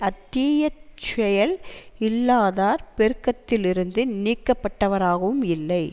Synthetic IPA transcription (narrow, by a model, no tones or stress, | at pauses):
ɐt̪ːiːjɐt͡ʃɛjɐlɪlːaːðaːɾpɛɾɯkːɐt̪ːɪlɪɾɯnd̪ɯniːkːɐpːɐʈːɐʋɐɾaːɣɐʋɯmɪlːɐɪ